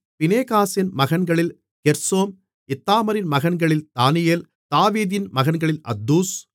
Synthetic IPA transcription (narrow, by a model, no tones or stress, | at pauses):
pɪneːkaːsɪnmɐɣɐnɡɐɭɪl | kɛɾsoːm | ɪt̪ːaːmɐɾɪnmɐɣɐnɡɐɭɪlt̪aːnɪjeːl | t̪aːʋiːðɪnmɐɣɐnɡɐɭɪlɐ̰d̪ːuːs